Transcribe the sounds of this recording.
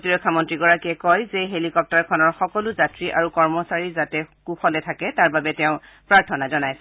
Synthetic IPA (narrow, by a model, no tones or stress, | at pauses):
tiɹɔkʰːamɔntɹiɡɔɹakiɛkɔjzeɦelikɔp̚taɹkʰɔnɔɹxɔkɔluzatɹiʔaɹukɔɹmɔsaɹizatɛkuxɔlɛtʰakɛtaɹbabɛtɛʊ̃ | pɹaɹtʰɔnazɔnajsɛ